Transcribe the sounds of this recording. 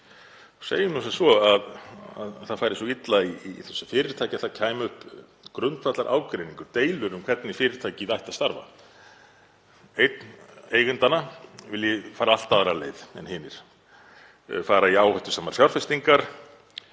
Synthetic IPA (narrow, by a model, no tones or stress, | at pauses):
sḛːjʏmnɔsasvɔaða̰ðθaðfaːjɾɪsɔit̪laiθɛsːʏ̥fɪːɾɪɾ̥t̪ʰaːjcɪaθaðcʰaːjmʏhp | kɾʏnt̪fat̪laɾʔa̰ːwkɾejnĩŋkʏɾ̥t̪eːjlʏɾʏmkʰv̥ɛt̪nifɪːɾɪɾ̥t̪ʰaːjcɪiðajht̪ast̪aɾva̰ | ejt̪neːjɣʏnt̪anavɪljɛfaːɾaal̥t̪aðɾaleːjðɛ̰nhɪːnɪɾ̥ | faːɾaiaːwhœjht̪ʏ̥saːmaɾ̥sjawɾ̥fɛst̪iŋkaɾ̥